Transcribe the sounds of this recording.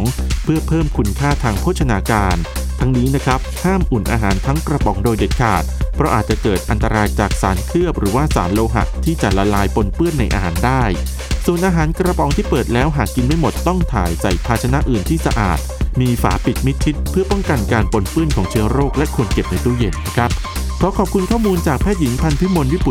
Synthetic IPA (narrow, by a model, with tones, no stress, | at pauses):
ŋpʰɯ˥˩ɐpʰɤː˥˩mkʰu˧nkʰaː˥˩t̪ʰaː˧ŋpʰoː˦˥˩t̪̚t͡ɕʰa˧naː˧kaː˧nt̪ʰa˦˥ŋniː˦˥na˦˥kʰa˦˥p̚haː˥˩mʔu˨˩nʔa̰ː˧ɦaː˩˦nt̪ʰa˦˥ŋkɾa˧pɔ˩˦ŋdoː˧jde˨˩k̪̚kʰaː˨˩t̪̚pʰɾɔ˦˥ʔaː˨˩t̪̚t͡ɕa˨˩kɤː˨˩t̪̚ʔa˧nt̪a˧ɾaː˧jt͡ɕaː˨˩k̚sa̰ː˩˦nkʰɯ˥˩əp̚ɾɯː˩˦waː˥˩saː˩˦nloː˧ɦa̰˨˩ʔt̪ʰiː˥˩t͡ɕa˨˩la˧laː˧jpo˧npɯ˥˩ənːa˧jʔa̰ː˧haː˩˦ndaː˥˩j | su˨˩ənʔaː˧ɦaː˩˦nkɾa˧pɔ˨˦ŋt̪ʰiː˥˩pɤː˨˩t̪̚lɛː˦˥wɦaː˨˩kːi˧nma˥˩jmo˨˩t̪ːɔ˥˩ŋt̪ʰaː˨˩jsa˨˩jpʰaː˧˩t͡ɕʰa˧na˦˥ʔɯː˨˩nt̪ʰiː˥˩sa̰˧ʔa̰ː˨˩t̪̚miː˧fa̰ː˩˦pi˨˩t̪̚mi˦˥t̪̚t͡ɕʰi˦˥t̪̚pʰɯ˥˩ɐpɔ˥˩ŋka˧nkaː˧npo˧npɯ˥˩ənkʰɔː˩˦ŋt͡ɕʰɯ˦˥ɐɾoː˥˩k̚lɛ˦˥kʰu˧ənke˨˩p̚na˧jt̪u˥˩je˨˩nna˦˥kʰɾa˦˥p̚ | kʰɔː˩˦kʰɔː˨˩p̚kʰu˧nkʰɔː˥˩muː˧nt͡ɕaː˨˩k̚pʰɛː˥˩ji˩˦ŋp̪ʰa˧npʰi˦˥mo˧nwi˦˥pu˨˩